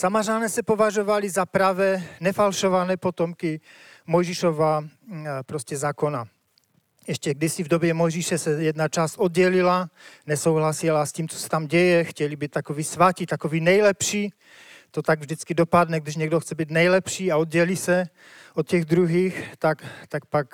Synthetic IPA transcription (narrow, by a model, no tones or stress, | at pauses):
samaʒanɛːsɛpovaʒovalizapɾavɛːnɛfalʃovanɛːpɔt̪ɔmki | mɔjʒiʃova | pɾoscɛzaːkona | ɛʃcɛɡd̪isivd̪objɛmɔjʒiʃɛsɛjɛd̪nat͡ʃaːst̪ɔd̪̚ɟɛlilanɛsowɦlasilasciːmt͡so̥sɛ̥t̪amɟɛjɛxcɛlibiːt̪akoviːsʋacit̪akoʋiːnɛjlɛpʃiː | t̪ot̪aɡvʒd̪it͡skid̪opad̪nɛɡdiʒɲɛɡd̪oxt͡sɛbiːɟ̪nɛjlɛpʃiːaɔd̪ɟɛlisɛ | ot̪cɛɣd̪ɾuɦiːxt̪akt̪ak̚pak